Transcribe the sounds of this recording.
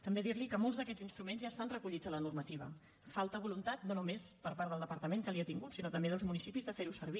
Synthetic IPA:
t̪əmbeðiɾlikəmolˠzðəkɛd͡zinst̪ɾumenzʒaːst̪anrəkuʎid͡zələnurmət̪iβ̞ə̰ | falˠt̪əβulunt̪at̪nonumespəɾpaɾðəlˠd̪əpəɾt̪əmeŋkəliət̪iŋɡut̪sinot̪əmbeðəlˠzmunisipizðəfeɾusəɾβ̞i

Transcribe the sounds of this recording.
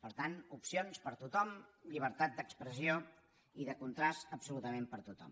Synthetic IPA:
pəɾt̪anupsionspəɾt̪ut̪ɔmʎiβ̞əɾt̪at̪̚d̪əkspɾəsio | iðəkunt̪ɾasəpsulut̪əmempəɾt̪ut̪ɔ̰m

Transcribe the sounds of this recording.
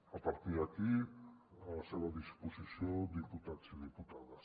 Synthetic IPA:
apaɾt̪iɾaki | aseβad̪isposisjod̪iput̪at͡siðiput̪aða

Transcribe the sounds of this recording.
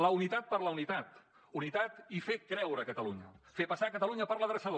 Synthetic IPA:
ləunit̪at̪̚pəɾləunit̪at̪ | unit̪at̪ifekɾɛwɾəːkət̪əluɲəfepəsakət̪əluɲəpəɾləðɾəsəðo

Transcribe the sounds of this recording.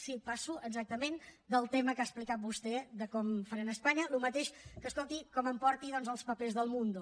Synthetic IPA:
sipasuəɡzak̚t̪əmend̪əlˠt̪eməkaəsplikat̪̚bust̪ɛðəkɔmfəɾanəspaɲəlumət̪eʃkəskolˠt̪ikɔməmpɔɾt̪iðɔnzəlˠspəpezðəlˠmund̪u

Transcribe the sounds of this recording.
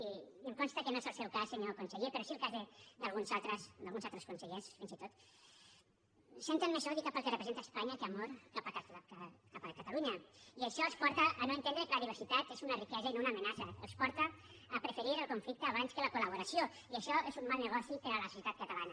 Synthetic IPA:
iəmkonst̪əkenoezəlˠsɛwkaseniokunseʎepeɾɔsielˠkazðed̪alˠɣunsalt̪ɾəsd̪alˠɣunzalˠt̪ɾeskunseʎesfinzit̪ot̪ | sent̪emmezoðikapəlˠkerepɾezent̪aespaɲakeamoɾkapaatakapakat̪aluɲɐiaʃɔespɔɾt̪aʔːnoent̪enɾekelɐβiβ̞eɾsit̪at̪ezunarikɛzɐinounaːmenasɐ̰ːlspɔɾt̪aːpɾefeɾiɾəlˠkuɱflik̚t̪əːβ̞anskelakulaβ̞uɾasio | iəʃɔezummalˠneɣɔsipeɾəlɐsosjet̪at̪̚kat̪alanɐ

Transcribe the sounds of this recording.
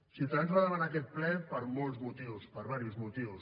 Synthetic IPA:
silˠt̪aanzβaðəβanaːk̬ɛt̪̚plɛpəɾmɔlˠzmut̪iwspəɾβaɾjizmut̪iws

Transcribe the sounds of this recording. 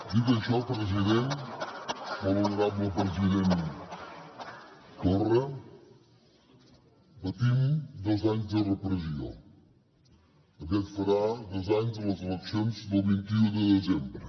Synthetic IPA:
d̪it̪əʃɔpɾəziðen | bəβəlnəɾabləpɾəziðen | t̪orə | bət̪imd̪ɔzaɲzd̪ərəpɾəzio̰ | əkɛt̪fəɾad̪ɔzaɲzd̪ələzələksjonzd̪əlˠβint̪iud̪əðezembɾə

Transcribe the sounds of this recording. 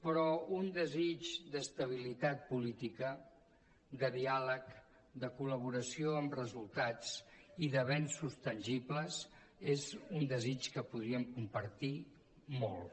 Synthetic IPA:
pɾɔund̪əzit͡ʃd̪əst̪əβ̞ilit̪at̪̚pulit̪ikə | d̪əðialək | d̪əkuləβ̞uɾəsioəmrəzulˠt̪at͡siðəβɛnsust̪ənʲʒipləz | ezund̪əzit͡ʃkəpuðɾiəmkumpəɾt̪i | molˠ

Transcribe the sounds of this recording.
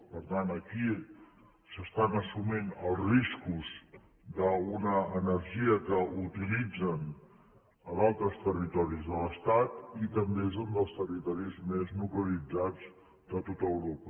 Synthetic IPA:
pəɾt̪anəki | səst̪anəsuminəlˠzriskuz | d̪əunəːnəɾʒiəkəut̪ilid͡zən | əðalˠt̪ɾəst̪ərit̪ɔɾizðələst̪at̪it̪əmbezund̪əlˠst̪ərit̪ɔɾizmeznukləlid͡zad͡z | d̪ət̪ot̪əwɾopə

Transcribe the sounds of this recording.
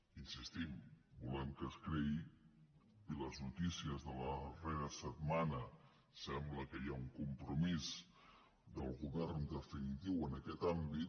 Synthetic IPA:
insist̪imbulɛmkəskɾɛi | iləznut̪isiəzðələreɾəsət̪̚manə | sɛmbləkəjauŋkumpɾumiz | d̪əlˠɣuβɛrnd̪əfinit̪iwənəkɛt̪ambit̪

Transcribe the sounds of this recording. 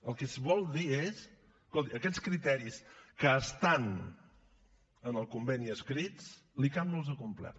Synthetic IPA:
əlˠkɛsβɔlˠd̪ies | kɔlˠt̪iʔəkɛt͡skɾit̪ɛɾiskəːst̪an | ənəlˠkumbɛniəskɾit͡s | likaməlˠzəkumplɛ̰ɾ

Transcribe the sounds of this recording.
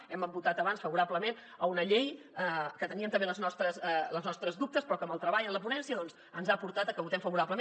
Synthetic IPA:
ɛməmbut̪at̪əβansfəβuɾabləmen | əunəʎej | əkət̪əniəmt̪əmbeləznɔst̪ɾəsləznɔst̪ɾəzðup̚t̪əspɾɔkəməlˠt̪ɾəβaʎənləpunɛnsiəðɔnz | ənzapuɾt̪at̪əkəβut̪ɛmfəβuɾapləme

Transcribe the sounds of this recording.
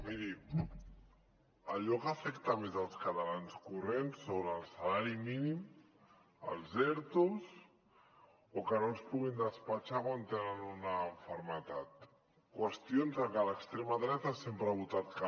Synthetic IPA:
miɾi | əʎɔkəfɛkt̪amezəlˠskat̪alanskurensːoβɾːlˠsalaɾiminim | ə̰lˠzɛɾt̪uzs | okənolspuɣind̪əspat͡ʃamant̪enənunaːɱfəɾmət̪at̪ | kwəst̪ijonzəkaləkst̪ɾemaðɾɛt̪asempɾaβut̪at̪̚ka

